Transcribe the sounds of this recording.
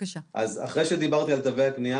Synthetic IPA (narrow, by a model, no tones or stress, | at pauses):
ʔaza̰χʁe̞jʃe̞d̪ibaʁt̪ialt̪aveaknija